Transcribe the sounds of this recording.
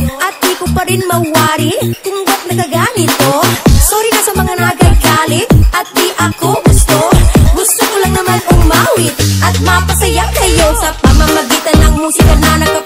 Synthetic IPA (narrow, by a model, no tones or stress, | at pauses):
ʔɐt̪̚d̪ikʊpɐɾɪnmɐwːaːɾit̪ʊŋbɐt̪̚nɐkɐɡaːmɪt̪osoːɾikɐsɐmɐŋanaɡɐjɡaːlɪt̪ʔɐt̪̚d̪iʔɐkoɡʊst̪oɡʊst̪okʊlaŋnɐmanʔʊŋmaːwɪt̪ʔɐt̪̚mɐpɐsɐjaŋsɐɪjosɐpɐmamɐɡiːt̪ɐnʔɐŋmosɪlananɐkɐ